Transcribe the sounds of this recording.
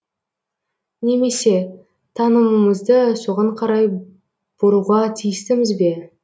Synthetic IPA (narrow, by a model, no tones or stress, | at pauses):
ne̞me̞se̞ | t̪ʰɑnəməməzd̪əso̞ʁɑɴqʰɑɾɑj | b̥ʊɾuʁɑt̪ʰijɪst̪ɪmɪzbe̞